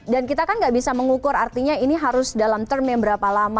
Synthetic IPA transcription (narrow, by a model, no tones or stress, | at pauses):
dankit̪akanŋɡaʔbisaməŋukʊɾart̪iɲainiɦaɾʊsdalamt̪ərmaŋbəɾapalama